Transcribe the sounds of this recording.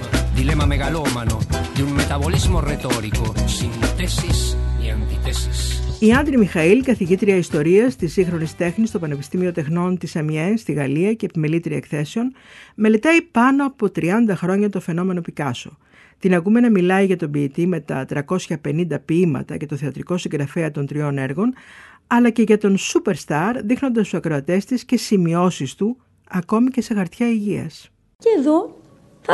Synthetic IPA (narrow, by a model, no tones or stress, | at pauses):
d̪ilemɐmeɣalomanod̪uŋmet̪aβolizmoret̪oɾikosint̪esisant̪it̪esisiɐnd̪ɾimixɐilkɐθiʝit̪ɾiɐist̪o̞ɾiɐst̪isĩŋxɾo̞nist̪e̞xnist̪o̞pɐne̞pi̥st̪imio̞t̪e̞xno̞nt̪isɐmienst̪iɣɐliɐcepimelit̪ɾiɐekθe̞seo̞n | me̞le̞t̪ɐipɐno̞ɐpo̞t̪ɾiɐnd̪ɐxɾo̞ɲɐt̪o̞fe̞no̞me̞no̞pikɐso̞ | t̪inɐɣume̞nɐmilɐiʝɐt̪o̞biːt̪ime̞t̪ɐ̰t̪ɾɐko̞sçɐpe̞nind̪ɐpiimɐ̰t̪ɐ̰ce̞t̪o̞θe̞ɐt̪ɾiko̞siŋɡɾɐfeɐt̪o̞nt̪ɾio̞ne̞ɾɣo̞n | ɐlɐce̞ʝɐt̪o̞nsupe̞ɾst̪ɐɾðixno̞nd̪ɐst̪u̥sɐkɾo̞ɐt̪e̞st̪isce̞simio̞sist̪u | ɐko̞mice̞se̞xɐɾt̪çɐiʝiɐ̰s | ceːðo | θ